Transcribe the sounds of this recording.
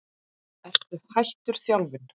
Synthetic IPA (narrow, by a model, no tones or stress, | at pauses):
ɛst̪ʏhajht̪ʏɾ̥θjawlvɪn